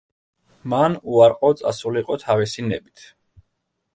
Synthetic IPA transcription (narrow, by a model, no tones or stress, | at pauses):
manuaɾqʼɔt̪sʼa̰suliqʼɔt̪ʰavisinɛ̰bit̪ʰ